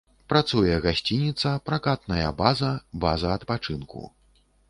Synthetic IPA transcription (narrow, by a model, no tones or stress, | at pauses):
pɾat̪sujɛɣasʲt͡sʲinʲit̪sɐpɾakat̪̚nɐjɐ̰bazɐbazɐːt̪pat͡ʂɨnkṵ